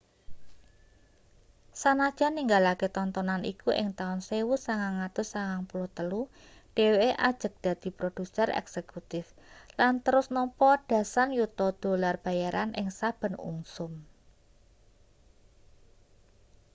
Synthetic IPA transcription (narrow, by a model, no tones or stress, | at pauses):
sanad̥ʒ̥a̤niŋɡalaket̪ɔnt̪ɔnanʔḭkuʔɪ̰ŋt̪aʊnsewusaŋaŋat̪ʊsaŋaŋpulɔt̪əlu | ɖ̥e̤weʔad̥ʒ̥ə̤k̚d̪̥ä̤d̪̥i̤pɾod̥ṳsərɛ̰ksekut̪ɪflant̪əɾʊsnɔmpɔɖ̥a̤sanjut̪ɔd̪̥o̤larb̥a̤jaɾʔanʔɪ̰ŋsab̥ə̤nṵŋsʊm